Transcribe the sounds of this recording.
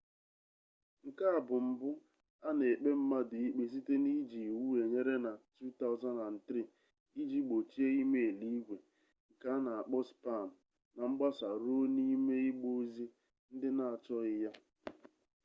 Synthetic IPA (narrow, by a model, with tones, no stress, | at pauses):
ŋ̩˨ka˦a˨bʊ˨m̩˨bʊ˦ | a˦ne˨k͡pe˦m̩˦ma˦dʊ˨i˦k͡pe˨si˦te˦ni˦d͡ʒi˨wu˦e˨ɲe˦ɾe˦na˨tu˦ta˦ʊ˨za˦na˨n̩˨tɾi˦˨ | i˦d͡ʒi˦k͡po˨t͡ʃi˦e˦i˦me˦e˨li˦ɡʷe˨ | ŋ̩˨ka˦na˨a˨k͡pɔ˦spa˦˨m̩˨ | na˨ŋ͡m̩˦ɡ͡ba˦sa˨ɾo˦ni˦me˦i˦ɡ͡bo˦zi˦ | n̩˦dɪ˦na˨a˨t͡ʃɔ˦ɪ˦ja˦